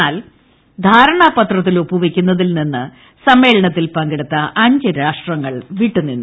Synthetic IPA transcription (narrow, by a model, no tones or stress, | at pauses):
aːl | d̪ʱaːɾɐɳaːpɐt̪rɐt̪ːilopːuʋekʲːunːɐðilninːɨ | sɐmːe̞ːɭɐɳɐt̪ːilpɐŋɡiɽut̪ːɐʔɐɲd͡ʑɨɾaːʂʈrɐŋːɐɭʋiʈːunːinːu